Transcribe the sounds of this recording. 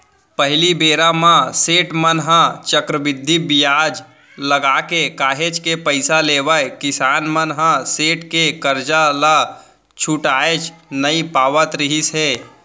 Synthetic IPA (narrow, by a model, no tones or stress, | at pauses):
pəɦɪlibeːɾamãseːʈmənɦãt͡ʃəkɾəbɪd̪ʱːibijaːd͡ʒ | ləɡaːkekaːɦet͡ʃkepəɪsaleːʋəjkɪsaːnmənɦãseːʈkekəɾd͡ʒala | t͡ʃʰuʈaːet͡ʃnəipaːʋət̪ɾɪɦisɦɛː